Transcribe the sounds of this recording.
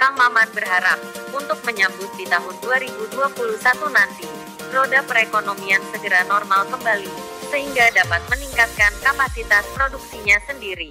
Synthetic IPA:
kamamanbərɦaɾap̚unt̪ʊk̚məɲabʊt̪̚dit̪aɦʊnduaɾibuduapulusat̪unant̪i | sɾodapəɾekonomiansəɡəɾanɔrmalkəmbali | səɦiŋɡadapat̪̚məniŋkat̪̚kankapasit̪aspɾoduk̚siɲasəndiɾi

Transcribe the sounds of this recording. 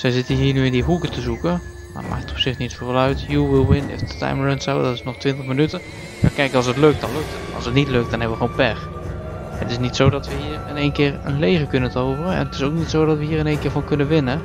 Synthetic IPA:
sɛjzɪtəɦiːənyɪ̃ndiɦukətəzukə | ma̰ma̰ktətɔ̥psɪxnitfolˠœɥtjuwɪlˠʋɪnɪ̰fdətʰa̰jmɹɛntsawdɔtɪsnɔχtʋɪntəχmənytə | makɛjkəɑlˠsətløk̚t̚d̥ɑnløk̚tʰətɑ̰sətnitløk̚t̚d̥ɔnɦɛbəʋəxoːnpɛɹ | ətɪsnitsoːdɔtʋəɦiːəɹɪneːnkɪːɹənleːɣəkʏnəntəowvərəɛ̰nətɪsowk̚nitsoːwdɔtʋəɦiːɹɪnejnkɪːɹvɔnkɵnənʋɪnə

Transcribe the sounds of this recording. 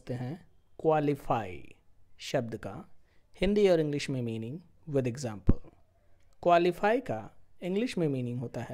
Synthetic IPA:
t̪eɦɛ̃ | kwaːlɪfaːḭʃɐb̚d̪ka̰ | hɪ̃nd̪iɔːɾɪ̃ŋɡlɪʃmẽmiːnɪ̃ŋɡ | ʋɪd̪eɡzãːmpəl | kwaːlifaːikaɪ̃ŋɡlɪʃmẽmiːnɪ̃ŋɡɦoːt̪aɦɛː

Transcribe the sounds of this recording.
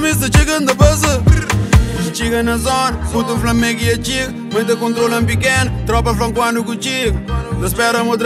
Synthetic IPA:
mist̪ɐt͡ʃiɣɐ̃nd̪ɐpɐsɐ | t͡ʃiɣɐnɐzɔnɐfut̪ũflɐmẽɡiɐt͡ʃiɣɐ | mɐ̃nt̪ɐkõnt̪ɾolɐ̃mp̬ikenut̪ɾɔpɐflɐ̃ŋkwanukũt͡ʃiɡud̪ɐspɛɾɐmod̪ɾ

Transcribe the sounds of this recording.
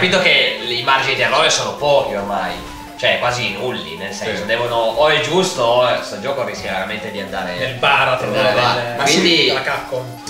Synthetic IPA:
apit̪okelimard͡ʒinid̪iarːɔːvesoːnopɔːk̟iormaj | t͡ʃoɛkwaːzinulːḭnelsɛnsod̪ɛːvonoɔɛd͡ʒust̪ost̪od͡ʒɔːkoɾiskʲjaveɾament̪ed̪iand̪a̰ːɾenelbaːɾat̪eebaɾkwind̪iakːakːo

